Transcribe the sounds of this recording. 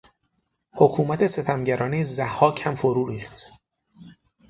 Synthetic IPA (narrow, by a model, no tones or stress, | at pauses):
hokʰuːmæt̪ʰe̞se̞t̪ʰæmɟæɾɒːnejzæhːɒːcʰæmfoɾuːɾiːft̪